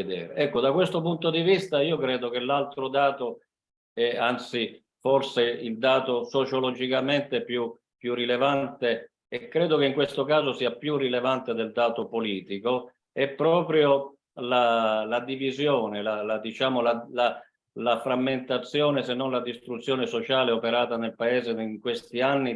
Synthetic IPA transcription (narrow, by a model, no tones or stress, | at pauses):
ed̪ɛ̰ːɾeɛkːod̪akwest̪opunt̪od̪ivist̪aiːokɾɛːd̪ok̟elːalt̪ɾod̪aːt̪o | ɛant̪si | forseild̪aːt̪osot͡ʃolɔd͡ʒikament̪eɛpju | pːjurːilevant̪e | ɛkːɾɛːd̪okeiŋkwest̪okaːzosiːapjurːilevant̪ed̪eld̪aːt̪opoliːt̪iko | ɛpːɾɔːpɾjo | lalad̪ivizjɔːnelalad̪it͡ʃaːmolala | lafɾamːent̪at̪sːjɔːnesenːɔnlad̪ist̪ɾut̪sːjɔːnesot͡ʃaːleopeɾaːt̪anelpaeːzeŋkwest̪ianːi